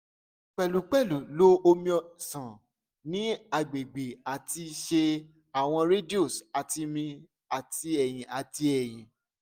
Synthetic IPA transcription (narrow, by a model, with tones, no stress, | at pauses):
k͡pɛ˨lu˨˦k͡pɛ˦˨lu˨lo˦o˧mĩ˦ɔ˨sã˨ | nĩ˦a˨ɡ͡be˨ɡ͡be˨a˨ti˧ʃe˧ | a˨w̃ɔ̃˧ɾe˦do˦˨sa˨ti˧mĩ˧ | a˦˨ti˦ɛ˨j̃ĩ˨a˨ti˧˦ɛ˨j̃ĩ˨